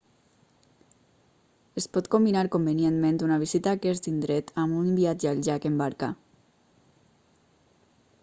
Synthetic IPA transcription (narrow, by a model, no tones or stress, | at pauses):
espɔt̪kombinaɾkombenjenmẽnt̪unaβ̞izit̪akest̪ind̪ɾet̪amunbiad͡ʒaʎʒakembaɾka̰